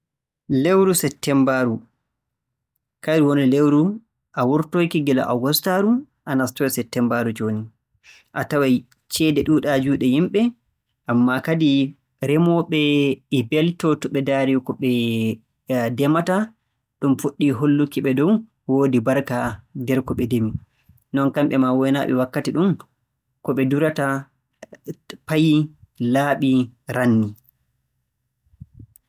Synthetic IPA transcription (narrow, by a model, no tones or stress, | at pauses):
lewɾusɛtːɛmbaɾu | kajɾwɔnɔlewɾu | ʔawuɾtojkiɡila̰ʔawɡɔstaɾu | ʔanastɔsɛtːɛmbaɾud͡ʒoːni | ʔa̰tawaj | t͡ʃɛːdɛɗuːɗad͡ʒuːɗɛjimɓɛ | ʔamːakadi | ɾɛmɔɓɛibɛltɔtɔɓɛdaːɾikɔɓɛ | dɛmata | ɗumfuɗːiɦolːukiɓɛdɔw | woːdibaɾkadɛɾkɔɓɛdemi | nɔnkamɓɛmawɔjnaːɓɛ̰wakːatiɗum | kɔɓɛduɾata | pajlaːɓiɾanːi